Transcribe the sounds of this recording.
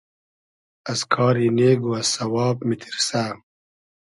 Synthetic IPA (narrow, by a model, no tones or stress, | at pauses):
ɐskʰɑːɾiːneːɡuɐsɐwɑːbmit̪ʰiɾsaː